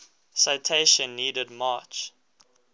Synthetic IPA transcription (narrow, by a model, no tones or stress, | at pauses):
saɪtʰeʃə̃nːiːdədmɑːt͡ʃ